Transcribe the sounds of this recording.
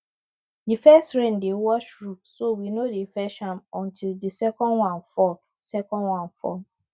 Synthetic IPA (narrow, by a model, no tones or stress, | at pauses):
difɛstɹɛ̃ndewɔʃɹufsowinodefɛʃãmɔ̃ntildisɛkɔ̃nwãnfɔ | sɛkɔ̃nwãnfɔ̰